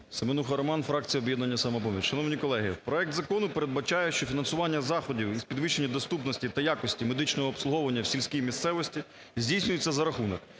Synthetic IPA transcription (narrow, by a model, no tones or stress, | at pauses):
semenuxɐɾɔmɑnfɾɑk̚t͡sʲijɔbjɛd̪nɐnʲːɐsɐmɐpɔmʲit͡ʃʲʃɐnɔʋnʲikɔlˠɛɦɪpɾɔɛk̚t̪zɐkɔnʊpeɾed̪̚bɐt͡ʃɑjɛʃt͡ʃɔfʲinɐnsʊʋɑnʲːɐzɑxɔdʲiwizpʲid̪ʋɪʃenʲːɐd̪ɔst̪upnɔsʲtʲit̪ɐjakɔsʲtʲimed̪ɪt͡ʃnɔɦɔːpslˠʊɦɔʋɐnʲːɐwsʲilʲsʲkʲijmʲist̪sɛʋɔsʲtʲi | zʲdʲijsʲnʲʊjet͡sʲːɐzɐɾɐxunɔk